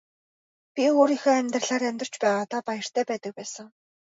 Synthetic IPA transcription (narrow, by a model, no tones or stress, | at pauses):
pʲioːɾixeːæmʲt̪rə̆ɮaːɾæmʲt̪ə̆r̥t͡ɕpæːʁaːt̪ʰapajə̆r̥t̪ʰæːpæːt̪ə̆k̚pæːsə̆ŋ